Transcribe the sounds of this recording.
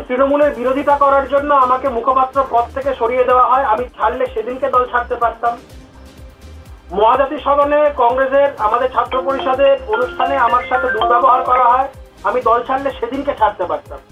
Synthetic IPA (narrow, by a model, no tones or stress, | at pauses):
t̪ɾinomuleɾbiɾod̪ʱit̪akɔɾaɾd͡ʑonːoamakemukʰopat̪ːɾoɾpɔt̪̚t̪ʰːekeʃoɾijed̪eoaɦɔeamit͡ɕʰaɽleʃed̪inked̪ɔlt͡ɕʰaɾt̪epaɾt̪am | mɔɦad͡ʑat̪iʃɔb̪ʱanekɔŋɾeseɾamad̪eɾt͡ɕʰat̪ːɾopoɾiʃɔd̪eonuʃʈʰaneamaɾʃat̪ʰemuɾbaboɦaɾkɔɾaɦɔe | amid̪ɔlt͡ɕʰaɽleʃed̪inket͡ɕʰaɾt̪epaɾt̪am